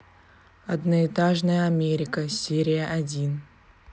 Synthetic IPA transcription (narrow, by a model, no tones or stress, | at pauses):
ɐd̪nəɪt̪aʐnəjəɐmʲeɾʲɪkəsʲeɾʲɪjəʔɐdʲin